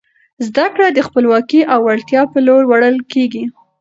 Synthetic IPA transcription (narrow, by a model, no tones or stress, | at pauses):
zd̪akɽad̪əxpəlwɑkiʔawaɭt̪jɑpəloɽwaɽəlkeɡi